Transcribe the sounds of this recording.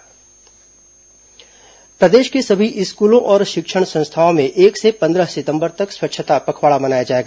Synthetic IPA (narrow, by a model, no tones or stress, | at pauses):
pɾɐd̪eːʃkesɐbʱiʔɪskuːlõʔɔːɾʃɪkʃəɽ̃sɐ̃nst̪ʰaõmẽʔeːksepɐ̃nd̪ɾəɦsɪt̪ə̃mbəɾt̪ɐkswɐkːʃʰət̪apɐkʰwaːɭabɐnaːjad͡ʒaːeːɡaː